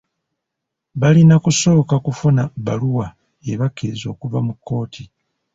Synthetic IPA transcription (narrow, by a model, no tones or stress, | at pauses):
βalinakuso̞ːkakufunaβaluwa | eβakːezo̞ːkuvamukːo̞ːtʰi